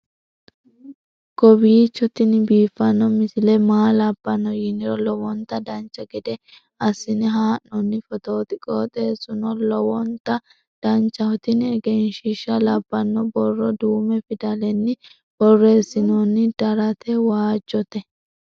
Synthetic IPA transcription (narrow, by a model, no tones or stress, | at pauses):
ɡ̥ɔbiːt͡ʃːɔt̪ɪnɪbiːfːɐnːɔmɪsɪlɛmaːlɐbːɐnːɔjɪnɪɾɔlɔwɔnt̪ːɐd̪ɐnt͡ʃːɐɡɛd̪ɛ | ɐsːɪnɪɦaːnːɔnːɪfɔt̪oːt̪ɪkʼoːt̪ʼeːsːʊnɔlɔwɔnt̪ːɐ | d̪̥ɐnt͡ʃːɐhɔt̪ɪnɛɡenʃiʃːɐlɐbːɐnːɔbɔrːɔd̪uːmɛfɪd̪ɐlɛnːɪ | bɔrːeːsɪnonːɪd̪̥ɐɾɐt̪ʰɛwaːd͡ʒːɔt̪ɛ